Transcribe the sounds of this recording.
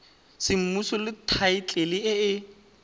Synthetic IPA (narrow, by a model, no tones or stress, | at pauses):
sɪm̩musɔlɪtʰaɪt͡ɬʼelɪɪɪ